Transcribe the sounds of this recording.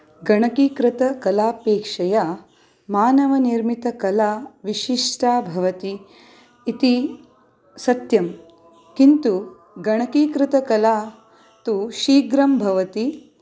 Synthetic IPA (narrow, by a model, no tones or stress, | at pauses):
ɡɐɳɐkiːkɾɪt̪ɐkɐlaːpeːkʂɐja | maːnɐʋɐniɾmit̪ɐkɐlaːʋiʃiʂʈaːbʱɐʋɐt̪iː | t̪i | sɐt̪jɐm | kint̪u | ɡɐɳ̃ɐkikɾɪt̪ɐkɐlaː | t̪uʃiːɡɾɐmbʱɐʋɐt̪i